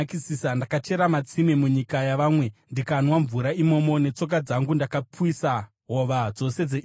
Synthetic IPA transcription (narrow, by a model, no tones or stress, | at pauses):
kisiːsandakat͡ʃe̞ɾamat͡simemuɲikajaʋaːmwe̞ndikanwaɱvuɾaimo̞mo̞ne̞t͡so̞k̬ad͡zaŋɡundakapuwisa | ɦo̞ʋad͡zo̞se̞d͡ze